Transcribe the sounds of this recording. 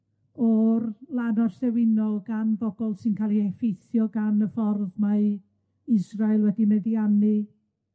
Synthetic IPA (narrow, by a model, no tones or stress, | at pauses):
ɔrlˠanɔrsɛwɪnɔlˠɡanbɔbɔlˠsɪnkʰaːlˠiɛfejθjɔɡanəfɔrðma | ɪzrajlˠwɛdinədianɨ